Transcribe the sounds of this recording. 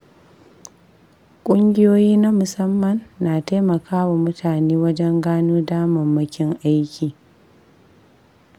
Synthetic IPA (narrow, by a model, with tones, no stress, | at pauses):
kʷʼʊ˦ŋɡʲɪ˦joː˦jiː˦na˦mʊ˨sɐ˦mːɐ˨nːaː˨taː˦jmɐ˨kʰaː˦wa˨mʊ˦tʰaː˨neː˦wɐ˦d͡ʒɛ˦ŋɡaː˦nuː˦daː˦mɐ˨mːɐ˦kʲɪ˦ŋʔa˦jkʲiː˨